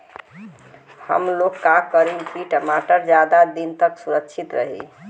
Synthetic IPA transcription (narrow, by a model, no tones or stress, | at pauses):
hə̰mlokːakəɾipiʈəmaʈəɾd͡ʒjad̪ad̪int̪əksuɾəkt͡ʃʰit̪ɾə̰ɦḭ